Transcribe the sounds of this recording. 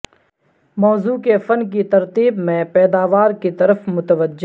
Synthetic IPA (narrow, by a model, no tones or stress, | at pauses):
mɔːzuːkefɐnkit̪ɐɾt̪iːbmẽpɛːd̪aːʋaːɾkit̪ɐɾəfmʊt̪əʋəd͡ʒː